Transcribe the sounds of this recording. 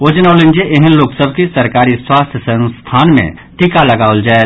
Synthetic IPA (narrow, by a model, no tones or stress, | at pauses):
oːd͡ʒnaːlɪ̃nd͡ʒeʔeɦə̃nloːksəbʱkisɐɾkaːɾiswaːst̪ʰsənst̪ʰaːnmḛ̃ | ʈ̪ikalɐɡaːʊld͡ʒae